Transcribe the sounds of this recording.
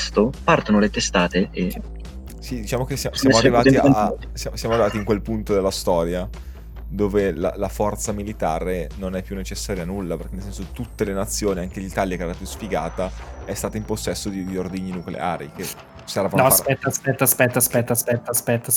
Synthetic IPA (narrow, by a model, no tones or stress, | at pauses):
st̪opart̪onolet̪est̪aːt̪ee | sid̪it͡ʃaːmokesjasjamoarːivaat̪ia | sjamsjamoaɾrːivaːt̪iŋkwelpunt̪od̪elːast̪ɔːɾja | d̪oːvela̰lafɔrt̪samilit̪aːɾenonɛpːjunːet͡ʃesːaːɾjanulːapeɾrkenelsɛns̬ot̪ut̪ːelenat̪sːjoːniaŋk̟elit̪aːljakeɛɾapjusfiɡa̰ːt̪aɛst̪aːt̪aimposːɛsːod̪id̪iord̪iɲːinuklḛa̰ːɾḭke | sɛɾaːvannaspɛt̪ːaspɛt̪ːaspɛt̪ːaspɛt̪ːaspɛt̪ːaspɛt̪ːa